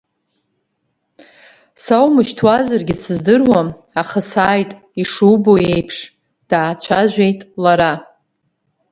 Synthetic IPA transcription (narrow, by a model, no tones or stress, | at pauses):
sawmɨʃtʰwazarɡʲɪsɨzdɨrwam | aχasaːjtʼ | iʂuboe̞jpʰʂ | d̥aːt͡ɕʷʰaʒᶣʷejtʼlaɾa